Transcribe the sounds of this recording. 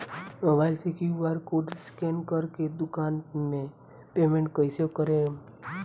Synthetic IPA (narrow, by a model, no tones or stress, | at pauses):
əʋalsekiʋaɾkoʈskenkəɾked̪ʊkaːnmẽ | pemẽɳʈ̚kəjsokəɾẽ